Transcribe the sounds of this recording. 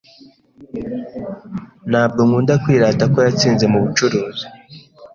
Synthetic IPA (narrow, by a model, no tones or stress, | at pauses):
naːb̚ɡomuːndakwiːɾaːtako̞jat͡siːnze̞muβut͡ʃuɾuːzi